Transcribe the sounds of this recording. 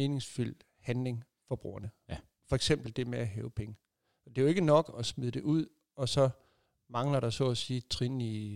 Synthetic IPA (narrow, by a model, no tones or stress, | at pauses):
me̝ːne̝ŋsfyl̰ | hænle̝ŋ | fɒ̽b̥ʁṵːɐnə | fɒ̽eɡ̥sem̰b̥l̩d̥e̝meæɦɛːʊpʰeŋə | ɒ̽d̥e̝joe̝ɡ̥ənɒ̽ɡ̥ɒ̽smiðˠəd̥e̝ʔuð̰ˠ | ɒ̽sɒ̽ | mɑ̈ŋlɐɾ̥ɑ̈sɔ̰ːsiːt͡sʰʁini